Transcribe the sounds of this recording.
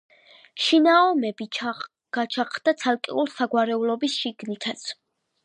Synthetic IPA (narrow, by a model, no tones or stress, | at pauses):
ʃinaɔmɛbi | ɡ̥at͡ʃʰaχʰd̪̥at̪sʰalˠkʼḭulsaɡwaɾɛulɔbisʃiɡnit̪ʰat̪sʰ